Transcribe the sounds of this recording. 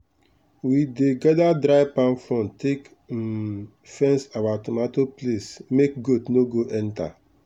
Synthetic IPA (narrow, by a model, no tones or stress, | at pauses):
wideɡɛdadɾaɪpãnfɾɔ̃ntʰek̩ | fɛ̃nsawatomatoplesmek̚ɡodnoɡoʔɛnta̰